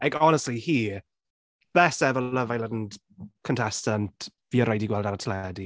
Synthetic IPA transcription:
akɔnəstlihiː | b̥ɛsɛvələvajlədn̩d | kʰəntʰɛstənviːəɾajdiɡwɛlˠdaɾatʰlɛdi

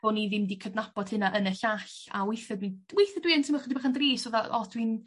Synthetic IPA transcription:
oniðɪmdikʰədnapɔd̥hɪnaʔənəɬaɬa̰wejθɛdwinwejθɛdwiəntʰəmɛχədibaχandriːsɔðaɔdwin

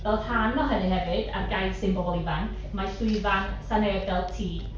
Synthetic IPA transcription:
d̥ɔlˠtʰaːnːɔɦənɨɦɛvɨd̥arɡajsɪmbɔbɔlˠivankʰ | majsuivansanɛːb̚dɛlˠtʰiː

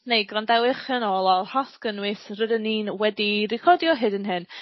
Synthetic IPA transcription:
nejɡrandɛwɪχənoːlˠɔhaθɡ̥ənwɨθrədəniːnwɛdirɪkʰɔdjɔɦɨdənɦɨn

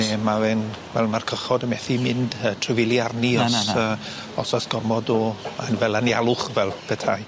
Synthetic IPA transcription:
nɛmavɛnvɛlˠmarkʰəχɔdəmɛθimɪndətʰrɪvɪlˠjarniɔəː | ɔsasɡ̥ɔrmɔdɔanvɛlˠanjalˠʊχvɛlˠpʰɛtʰaj

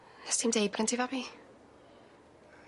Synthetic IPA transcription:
nɛstʰimdejbɡəntʰivɔbi

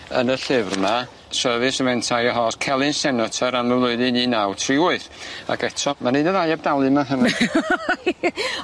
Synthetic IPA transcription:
ə̰nəɬɪvrma | səðɨsəvɛntʰajɔɦɔskʰɛlˠɨnsɛnɔtʰəɾaməmlˠʊɨðɨniːnawtʰrɪʊɨθa̰ɡɛtʰɔmaninəðajab̚dalˠɨmaɦəna

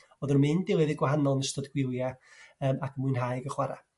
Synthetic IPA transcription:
ɔðərmɪndɪwˠɪðɪɡwaɦanɔlˠnəstədɡ̥wɪlˠjaəːmakʰmuɨnɦajɡəχwaɾa̰

